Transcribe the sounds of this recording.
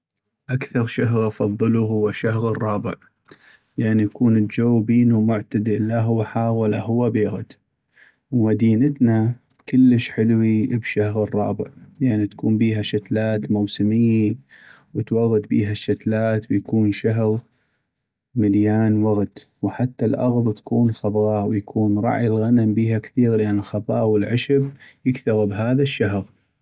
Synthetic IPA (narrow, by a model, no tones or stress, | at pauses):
ʔakθɑɾˤʃaɦɣɑfɑðˤːɨluɦʊwːaʃaɦɣərˤːɑːbɪ̰ʕ | jaʕnijakʰuːnəld͡ʒawːbiːnumʊʕt̪ad̪ilːaɦʊwːaħaːɣwalaɦʊwːabiɣd̪ | wmad̪iːnət̪na | kəlːəʃħɪlwibʃahɣərˤːɑːbɪ̰ʕjaʕnit̪ḁkuːmbiːɦaʃat̪laːt̪muwsɪmiːn | wət̪waɣːad̪biːɦaʃːat̪laːt̪wjakuːnʃaɦɣ | mɪljaːnwaɣt̪ | wħat̪ːalʔɑ̰ɣðˤt̪ḁkuːnlxɑðˤɑːwjakʰuːnɾˤɑ̰ʕilɣanambiːhakθiːɣlʔanɪlxɑðˤɑːwɪlʕɪʃɪbjɪkθaɣbɦaːðaʃːaɦɣ